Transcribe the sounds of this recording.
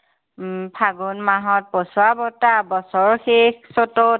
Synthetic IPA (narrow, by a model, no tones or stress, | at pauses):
pʰaɡunmaɦɔt̚pɔsʊabɔtabɔsɔɹxexsɔtɔt